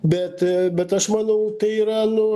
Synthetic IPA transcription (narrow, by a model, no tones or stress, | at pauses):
bʲɛt̪bʲɛt̪ɐʃmɑːnɐʊt̪ɐɪiːɾɐnʊ